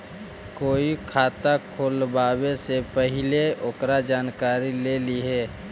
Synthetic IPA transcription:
koːikʰaːt̪akʰoːlbaːbesepəɦɪleʔokɾad͡ʒaːnkaːɾileːliɦɛː

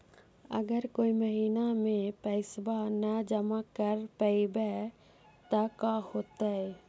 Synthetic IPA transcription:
ə̰ɡəɾkoːiməɦiːnamẽpəɪsbanəd͡ʒəmakəɾpəibɛ | t̪əkahoːt̪aɛ

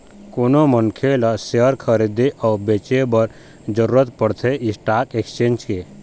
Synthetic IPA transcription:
koːnomənkʰelaseəɾkʰəɾid̪iʔɔːbet͡ʃebəɾ | d͡ʒəɾuːɾət̪pəɽt̪ʰeɪsʈaːkekst͡ʃẽːnd͡ʒke

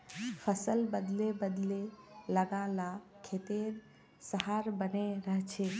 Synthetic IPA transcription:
pʰəsəlbəd̪lebəd̪leləɡãlakʰet̪eɾ | səɦaɾbəneɾəɦt͡ʃʰe

